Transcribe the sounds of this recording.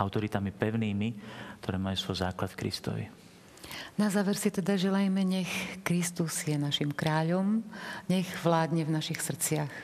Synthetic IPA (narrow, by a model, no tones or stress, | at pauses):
aʊt̪ɔɾit̪amipɛʊniːmik̚t̪ʰɔɾɛːmajuːsʋɔjzaːklat̪fkɾḭst̪ɔ̰ʋḭ | nazaːʋɛɾsit̪ɛd̪aʒɛlajmɛɲɛxkɾist̪uz̥jɛnaʃimkɾaːʎɔmɲɛɣʋlaːd̪ɲɛvnaʃixsr̩t͡sɪax